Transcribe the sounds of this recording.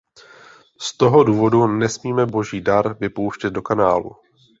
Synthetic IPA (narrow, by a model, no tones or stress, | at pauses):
st̪o̞ɦo̞duːvo̞dunɛsmiːmɛbo̞ʒiːdaɾvɪpowʃcɛt̪̚do̞kanaːlṵ